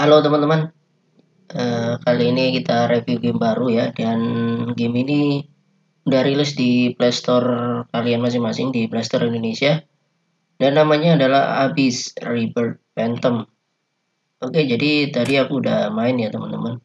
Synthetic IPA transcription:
halot̪əmant̪əman | ʔəːkaliːnikit̪aɾefjuɡɛmbaɾujadanɡɪmini | udaɾilɪsdiplɛst̪ɔrkalianmas̬ɪŋmasɪŋdiplɛst̪ɔɾindonesia | danːamaɲaːdala̰ha̰bɪsribərt̪̚pɛnt̪əm | oked͡ʒadit̪adiakuːdamaɪnjat̪əmant̪əman

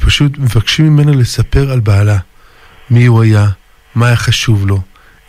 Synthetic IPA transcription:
paʃut̪me̞vakʃimime̞nale̞sape̞ʁalbaːla | miuaja | maːjaχaʃuvlo̞

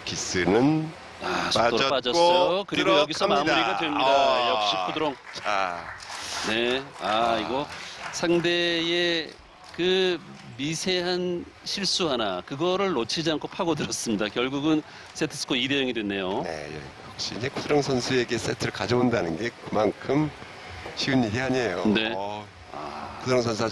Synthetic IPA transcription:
kis͈ɯnɯn | asatoɾopad͡ʑʌsʌjokɯɾiɾojʌɡisʰʌmamuɾiɡadwemɲidajʌk̚ɕ͈ikʰudɯɾʌŋa | ne̞aiɡʌsʰaŋde̞e | kɯmisʰe̞ɦan | ɕʰiɭs͈uɦanakɯɡʌɾɯɭːot͡ɕʰid͡ʑiankʰopʰaɡodɯɾʌs͈ɯmɲidakjʌɭɡuɡɯn | s͈etʰɯs͈ʰɯ̥kʰoidejʌŋidwenːe̞jonḛjḛ | jʌk̚ɕ͈iɲd͡ʑekʰudɯɾʌŋsʰʌnsʰue̞ɡe̞s͈etʰɯɯɭkad͡ʑʌundanɯnɡe̞kɯmankʰɯm | ɕʰiuɲiɦeɦaɲejone̞ | kʰudɯɾʌŋs̬ʰʌns̬ʰa

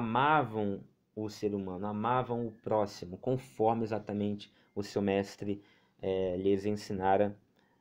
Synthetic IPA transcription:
amavɐ̃w̃ | ʊseɾumɐ̃nʊamavɐ̃w̃ʊpɾɔsimʊkõfɔɾmɪezat̪ɐmẽnt͡ʃɪ̥ | ʊsewmɛst̪ɾɪ | ɛlɪzẽsinaɾɐ

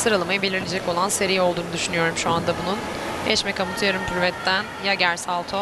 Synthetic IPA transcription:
sɯɾalˠɯmajɯbelʲiɾilʲed͡ʒɛcko̞lˠanse̞ɾijɛolˠd̪uːnud̪yʃynyjo̞ɾumʃuand̪abunun | ɛʃmɛkamut̪ʰɯjaɾɯmpʰyɾvɛt̪ːænjaɟæɾsalˠt̪ʰo

